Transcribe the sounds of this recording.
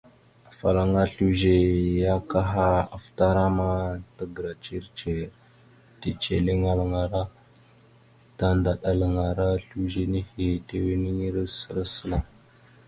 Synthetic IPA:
a˨fa˨ɾa˨ŋa˦ɬu˦ʒe˨ja˦ka˦ɦa˦a˨fta˦ɾa˦ma˦ta˦ɡə˨ɾa˨t͡ʃi˦ɾt͡ʃe˨ | te˨t͡ʃe˨le˦ŋa˦lŋa˨ɾa˦ | ta˦nda˨ɗa˨la˨ŋa˨ɾa˦ɬu˦ʒe˦ni˦hi˨te˦we˦ni˦i˦ɾsə˦ɾa˦sə˦la˨

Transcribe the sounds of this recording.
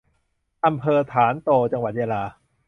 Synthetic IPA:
ʔa˧mpʰɤː˧t̪ʰaː˩˦nt̪oː˧t͡ɕa˧ŋwa˨˩t̪̚jaː˧laː˧

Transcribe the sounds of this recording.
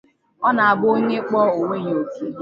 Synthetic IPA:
ɔ˦na˨a˨bʊ˦ɲe˦k͡pɔ˦o˨wʷe˦ɲ˨o˨ti˦

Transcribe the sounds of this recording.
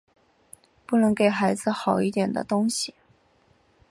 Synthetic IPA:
pu˥˩nɤ˧˥ŋke˨˩ɪxa˧˥ɪd͡zɹ̩˧xɑ˨˩ʊi˥t̪jɛ˨˩nd̪ə̰˦t̪ʊ˥ŋɕi˨˩

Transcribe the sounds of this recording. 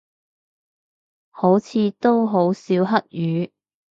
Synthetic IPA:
ho˨˥wt͡sʰiː˨˧t̪o˥wɦo˨˥wsiː˨˥wɦɐ˥k̚jyː˨˧

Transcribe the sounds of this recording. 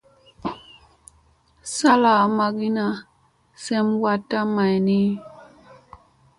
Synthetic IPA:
sa˦la˨ma˨ɡi˦na˨ | sɛ˦mwa˦tːa˦ma˨jni˦

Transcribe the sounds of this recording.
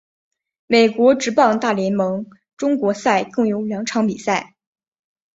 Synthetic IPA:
me˨˩ɪkwɔ˧˥ʈ͡ʂɻ̩˧˥pɑ˥˧ŋt̪a˥˩ljɛ˧˥nmɤ˧˥ŋ | ʈ͡ʂʊ˥ŋkwɔ˧˥sa˥˧ɪkɤ˥˩ŋjo˧˥ʊljɑ˧˥ŋʈ͡ʂʰɑ˧˥ŋpi˨˩sa˥˩ɪ

